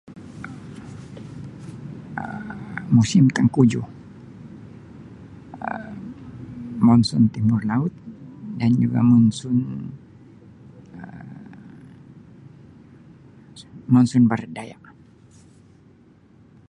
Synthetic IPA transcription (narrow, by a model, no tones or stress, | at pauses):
ə̰musɪmt̪aŋkud͡ʒu | ə | mɔnsɔnt̪imʊrlaʊt̪̚dand͡ʒuɡa̰mɔnsun | ə | mɔnsɔnbaɾat̪̚daja̰ʔ